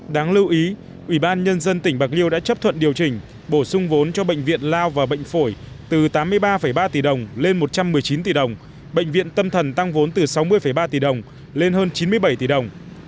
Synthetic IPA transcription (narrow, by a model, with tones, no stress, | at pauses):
ɗaː˨˦ŋlɨ˧wʔi˨˦ | ʔwi˧˩ɓaː˧nɲə˧nzə˧nt̪ï˧˩ŋ̟ɓa˨˩k̚li˧əwɗa̰ː˧˥t͡ɕə˦˥p̚t̪ʰwə̰˧˨nɗi˨˩əwt͡ɕï˨˩ŋ̟ | ɓo˧˩sʊ˧ŋ͡mvo˨˦nt͡ɕɔ˧ɓə̰˧˨jŋ̟vḭ˧˨ənlaː˧wvaː˨˩ɓə̰˧˨ŋ̟fo˧˩j | t̪ɨ˨˩t̪aː˨˦mːɨ˧əjɓaː˧fəː˧˩jɓaː˧t̪i˨˩ɗə˨˩wŋ͡mle˧nmo˨˩t̚t͡ɕa˧mːɨ˨˩əjt͡ɕi˨˦nt̪i˧˩ɗə˨˩wŋ͡m | ɓə̰˧˨jŋ̟vḭ˧˨ənt̪ə˧mt̪ʰə˨˩nt̪a˧ŋvo˨˦nt̪ɨ˨˩sa˨˦wmɨ˧əjfəː˧˩jɓaː˧t̪i˨˩ɗə˨˩wŋ͡m | le˧nhɦəː˧nt͡ɕi˨˦nmɨ˧əjɓə˧˩jt̪i˧˨˩ɗə˨˩wŋ͡m